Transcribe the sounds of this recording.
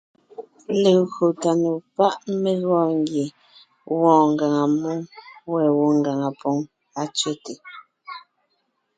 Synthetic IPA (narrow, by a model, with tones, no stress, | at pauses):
le˨ɣo˨ta˨nu˨pa˦ʔme˦ɣwɔ˦˨ŋɡje˨ | wɔ̃ː˨ŋ̩˨ɡa˨ŋa˨mu˦ŋwɛ˨wo˦ŋ˨ɡa˨ŋa˨pɔ˦ŋ | a˨˦t͡ʃɥe˦te˨